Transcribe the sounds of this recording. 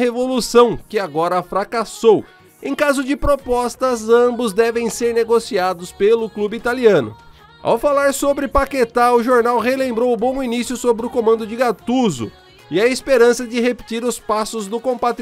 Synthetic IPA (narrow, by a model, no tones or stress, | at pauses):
hevolusɐ̃w̃kɪaɡɔɾɐfɾakasow | ẽj̃kazʊd͡ʒɪpɾopɔst̪ɐzɐ̃bʊzd̪ɛvẽj̃seɾneɡosiad̪ʊspelʊklubɪit̪aliɐ̃nʊ̰ | a̰wfalaɾsobɾɪpaket̪aɾʊʒoɾnawɦelẽmbɾowʊbõw̃inisjʊsobɾɪʊkomɐ̃nd̪ʊd͡ʒɪɡat̪uzʊ̰ | ɪɐispeɾɐ̃sɐd͡ʒɪɦepɪ̥t͡ʃiɾʊspasʊzd̪ʊkõpat̪